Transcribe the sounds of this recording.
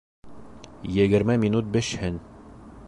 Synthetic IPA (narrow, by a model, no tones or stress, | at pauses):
jɘ̆ɡɘ̆ɾmæmʲinut̪̚bɘ̆ʃhɘn